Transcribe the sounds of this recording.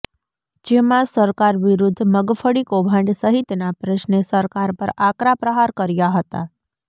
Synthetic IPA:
d͡ʒemãsəɾkaɾʋiɾud̪ʱːməɡfəɽikobʱãɳɖsəɦit̪napɾəʃnesəɾkaɾpəɾakɾapɾəɦaɾkəɾjaɦət̪a̰

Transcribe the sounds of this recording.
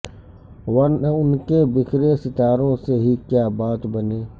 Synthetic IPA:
wɐnʊnkebɪkʰɾesɪt̪aːɾõseɦikjaːbaːt̪bɐneː

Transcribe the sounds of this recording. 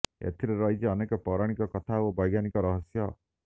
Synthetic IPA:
ḛt̪ʰiɾeɾɔɦit͡ʃiɔnekɔpɔɾaɽ̃ikɔkɔt̪ʰaobɔjɡjanikɔɾɔɦɔsjɔ

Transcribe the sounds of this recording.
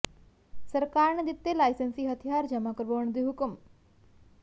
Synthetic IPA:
səɾkaːɾɳəd̪it̪ːelaːjsensiːɦɐt̪ʰijaːɾd͡ʒɐmaːkəɾboːɳd̪iɦukum

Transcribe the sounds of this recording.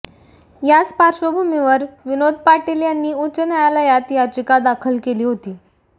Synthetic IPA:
jat͡spaɾɕəbʱumiʋəɾʋinod̪̚ʱpaʈeljanːiːut͡ɕənajalajat̪jat͡ɕikad̪akʰəlkeliːɦot̪iː

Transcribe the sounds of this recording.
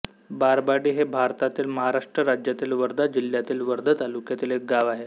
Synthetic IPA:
baɾbaɽiːɦebʱaɾt̪at̪iːlməɦaɾaʂʈɾəɾad͡ʑjat̪iːlʋəɾd̪ʱad͡ʑil̤jat̪iːlʋəɾd̪ʱət̪alukjat̪iːlɦek̚ɡaʋaɦe

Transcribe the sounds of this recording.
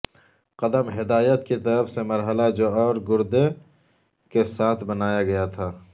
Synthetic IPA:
qɐd̪əmɦɪd̪aːjət̪kit̪ɐɾəfsemɐɾɦəlad͡ʒoːɔːɾɡʊɾd̪e | kesaːt̪ʰbɐnaːjaɡɐjat̪ʰaː

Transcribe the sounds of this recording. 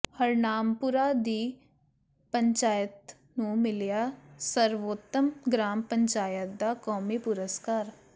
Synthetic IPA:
həɾnaːmpʊɾaːd̪iː | pəɲt͡ʃaːjət̪ | nũːmɪljaːsəɾʋoːt̪ːəmɡɾaːmpəɲt͡ʃaːjət̪̚d̪aːkɔːmiːpʊɾəskaːɾ

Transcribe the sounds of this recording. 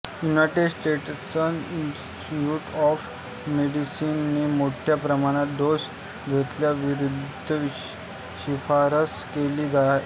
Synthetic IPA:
junajʈedsʈeʈsəninsʈiuːʈɔf | meɽisiːnːiːmoʈʰjapɾəmaɽ̃at̪d̪os | ɡʱet̪ljaʋiɾud̪ʱəʋi | ɕifaɾəskeliːɡ̪ʱa

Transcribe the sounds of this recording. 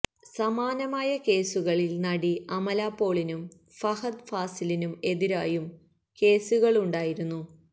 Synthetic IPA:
sɐmaːnɐmaːjɐke̞ːsuɣɐɭilnɐɽiɐmɐlaːpːo̞ːɭinum | fɐhɐd̪faːsilinume̞ðiɾaːjum | ke̞ːsuɣɐɭuɳɖaːjiɾunːu

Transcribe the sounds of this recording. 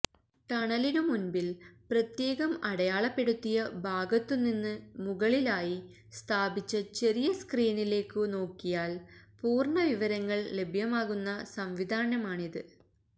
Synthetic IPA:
t̪ɐɳɐlinumunbilprɐt̪je̞ːɣɐmɐɽɐjaːɭɐpːe̞ɽut̪ːijɐbʱaːɡɐt̪ːunːinːɨmuɣɐɭilaːji | st̪ʰaːbit͡ɕːɐt͡ɕe̞ɾijɐskriːnile̞ːkːɨno̞ːkːijaːlpuːrɳɐʋiʋɐɾɐŋːɐɭle̞bʱjɐmaːɣunːɐsɐmʋid̪ʱaːnɐmaːɳiðɨ

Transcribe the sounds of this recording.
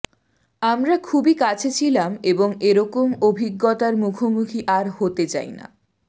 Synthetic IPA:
amɾakʰubikat͡ɕʰet͡ɕʰilameboŋeɾɔkomobʱiɡːot̪aɾmukʰomukʰiʔaɾhot̪et͡ɕa̰jna̰

